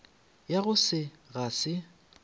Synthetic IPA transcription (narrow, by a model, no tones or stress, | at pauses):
jaɣʊsɪɣasɪ